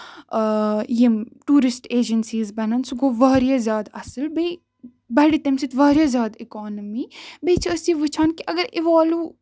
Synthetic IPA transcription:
jimʈuːɾɪsʈeːd͡ʒənsiːzbɐnɐnsuɡoːʋɐːɾijazʲjaːd̪ɐ̰sɨlbɐj | bɐɽit̪ɐmsit̪ʋɐːɾijazjaːd̪ɪkɔːnɐmiːbet͡ʃʰiɐsiʋɐt͡ʃʰaːnkiʔɐɡəɾɪʋaːluː

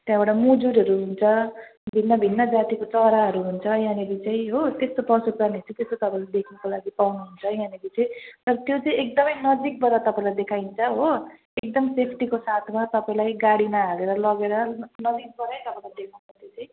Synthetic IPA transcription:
t̪jãbaʈamud͡zuɾɦʌɾuɦunt͡sʰʌbʱinːʌbʱinːʌd͡zat̪ikot͡sʌɾaɦʌɾuɦunt͡sʰʌjãnebit͡saĩɦot̪est̪opʌsukanet͡sĩt̪est̪ot̪ʌpãĩlajd̪ekʰnʌkolaɡipawnuɦunt͡sʰʌjãnebit͡sʌĩt̪ʌɾʌt̪jot͡saĩek̚d̪ʌmʌjnʌd͡zik̚bʌɾat̪ʌpaĩlajd̪ekʰaint͡sʰʌɦo | ek̚d̪ʌmsepʰʈikosat̪ʰmat̪ʌpaĩlajɡaɽimaɦaleɾʌlʌɡeɾʌnʌd͡zik̚bʌɾejt̪ʌpaĩlajd̪ekʰnupʌt̪ʰit͡sʌĩ

